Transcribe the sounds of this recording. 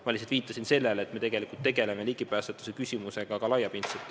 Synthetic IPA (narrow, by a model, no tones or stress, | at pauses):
mɑlʲis̬ed̪viːt̪ˑːɑsinse̞lːelet̪me̞t̪e̞ɡ̥e̞likult̪ːe̞ɡe̞leme̞liɡ̥ipæːset̪ːˑu̥sekysʲimuse̞ɡ̥ɑkɑlɑjɑpint̪set̪ːˑ